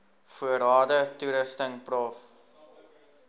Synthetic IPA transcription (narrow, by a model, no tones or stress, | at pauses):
fuərɑːdətuɾəstəŋprɑːf